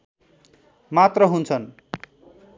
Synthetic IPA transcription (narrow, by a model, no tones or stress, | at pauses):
mat̪rʌɦunt͡sʰʌn